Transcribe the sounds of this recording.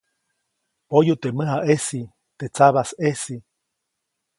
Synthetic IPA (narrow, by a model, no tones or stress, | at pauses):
pojut̪eməɦaʔesi | t̪et͡saβasesi